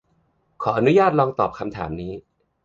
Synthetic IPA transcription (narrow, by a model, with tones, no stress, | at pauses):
kʰɔː˩˦ʔa˧nu˦˥jaː˥˩t̪̚ɾɔː˧ŋt̪ɔː˨˩p̚kʰa˧mt̪ʰa̰ː˩˦mniː˦˥